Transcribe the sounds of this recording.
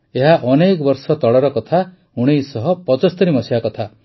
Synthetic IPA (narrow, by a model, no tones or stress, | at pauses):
eɦaʔɔnekɔbɔɾsɔt̪ɔɭɔɾɔkɔt̪ʰa | uɽ̃ejsɔɦɔpɔt͡ʃɔst̪ɔɾimɔsiakɔt̪ʰa